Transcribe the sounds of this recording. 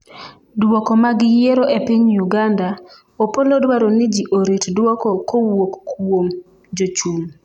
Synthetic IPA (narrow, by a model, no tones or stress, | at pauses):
dwokɔmaɡɪjeɾoʔepiɲjuɡanda | opolodwaɾonɪd͡ʒiʔoɾitdwɔkɔkowokːwom | d͡ʒot͡ʃum